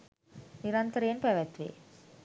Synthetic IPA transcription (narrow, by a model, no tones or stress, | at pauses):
niɾant̪əɾeːnpɛʋat̪ʋḛ